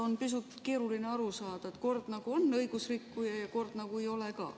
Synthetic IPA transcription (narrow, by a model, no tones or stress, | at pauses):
o̞npis̬ut̪ke̞ːɾulineɑɾusɑːd̪̥ɑet̪ko̞rd̪̥nɑɡ̥uonːɤjɡ̥usrikːujɑjɑko̞rd̪̥nɑɡue̞jo̞lekɑ̰ː